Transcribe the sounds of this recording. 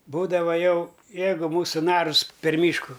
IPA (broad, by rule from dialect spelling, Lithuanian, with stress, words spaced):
ˈbuːdɐʋɐ ˈjɛʊ ˈjɛɪɡʊ ˈmuːsʊ ˈnɑːrʊs pʲɛr ˈmʲiːʃkʊ